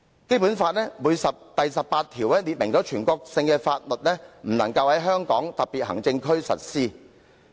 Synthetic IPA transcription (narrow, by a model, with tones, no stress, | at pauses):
ke˥jpuː˨˥nfaː˧t̚lɛ˥muː˨˧jsɐ˨p̚t̪ɐ˨jsɐ˨pːaː˧t̚t̪ʰiː˨˩wɛː˥liː˨t̚mɪ˨˩ŋt͡ʃɔ˨˥t͡ʃʰyː˨˩nkɔː˧k̚sɪ˧ŋkɛː˧faː˧t̚lɵ˨t̚lɛː˥m̩˨˩nɐ˨˩ŋkɐ˧whɐ˨˥jɦœː˥ŋkɔː˨˥ŋt̪ɐ˨˩p̚piː˨t̚hɐ˨˩ŋt͡sɪ˧ŋkʰɵ˥ɥsɐ̰˨t̚siː˥